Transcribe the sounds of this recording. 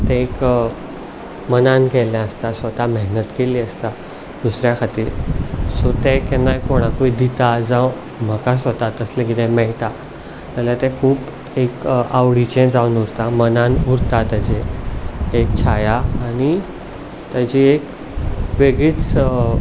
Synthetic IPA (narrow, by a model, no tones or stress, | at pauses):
t̪ẽk | mənankeljãəst̪asʋət̪amɛɦnət̪keliːəst̪a | d̪̥usɾjakʰat̪iːɾsɔt̪ɛkɛ̃najkoɽ̃ãkuid̪it̪ad͡zaw | m̤əkasʋət̪at̪əslẽkit̪ɛ̃mɛɭʈ̪a | t̪aljat̪ɛ̃kʰuːp | ekaʋɽit͡ɕɛ̃d͡zawunuɾt̪amənanuɾt̪at̪əd͡ʑe | ek̚t͡ɕʰajaːñi | t̪əd͡ʑiek | ʋeɡɭiːt͡s